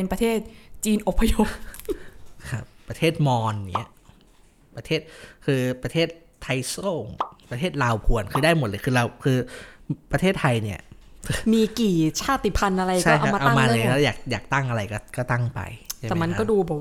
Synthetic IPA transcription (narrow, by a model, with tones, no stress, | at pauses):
pe˧npɾa˧t̪ʰeː˥˩t̪̚t͡ɕiː˧nʔo˨˩pʰːa˧jo˧˥˩ | kʰa˦˥˩p̚ːɾa˧t̪ʰeː˥˩t̪̚mɔː˧n˩ḭ˦˥ɐ | pːɾa˧t̪ʰeː˥˩t̪̚kʰɯː˧pɾa˧t̪ʰeː˥˩t̪̚ʰːa˧jsoː˥˩ŋpɾa˧t̪ʰeː˥˩t̪̚laː˧wpʰu˨˧˩ənkʰɯː˧daː˥˩jmo˨˩t̪̚lɤː˧jkʰɯː˧ɾa˧wkʰɯː˧pɾa˧eː˥˩t̪ʰːa˧jni˥˩ɐmiː˧kiː˨˩t͡ɕʰaː˥˩t̪i˨˩pʰa˧nʔa˧ɾa˧jt͡ɕʰa˥˩jka˧a˥˧a˧ʔa˧a˧˥maː˧lɤː˧˥˩ja̰ː˨˩k̚jaː˨˩k̚t̪a˥˩ŋʔa˧ɾa˧jkɔ˥˩kɔː˥˩t̪a˥˩ŋpa̰˧ja˥˩ɛː˨˦ma˧nkɔː˥˩duː˧bɔː˨˩k̚w